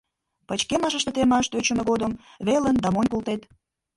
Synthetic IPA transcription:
pət͡ɕkemɑʒə̆ʃt̪ət̪emɑʃt̪øt͡ɕə̆meɣod̪əmβelənd̪ɑmonʲkolt̪et̪

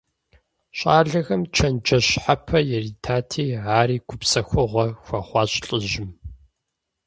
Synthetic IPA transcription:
ɕʼaːɮɐɣɐmt͡ʃʰɐnd͡ʒɐɕħapʰɐjɛriːtʰaːtʰiːʕaːɾiːɡʷʊpsɐxʷʊʁʷɐxʷɑχʷɑːɕʼɬʼɨʑɪm

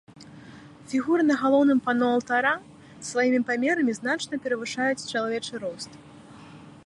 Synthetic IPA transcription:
fʲiɣuɾɨnɐɣalˠɔwnɨmpanɔɐlˠt̪aɾa | sːvajimʲipamʲɛɾɐmʲiznat͡ʂnɐpʲɛɾɐvɨʂajut͡sʲt͡ʂɐlˠavʲɛt͡ʂɨɾɔst̪

